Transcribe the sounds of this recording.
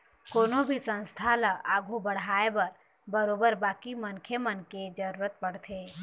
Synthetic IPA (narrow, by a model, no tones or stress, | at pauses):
koːnobʱisə̃nst̪ʰaləaːɡʱubəɽ̤aːebəɾ | bəɾoːbəɾbaːkimənkʰemənked͡ʒəɾuːɾət̪̚pəɽ̤t̪ʰeː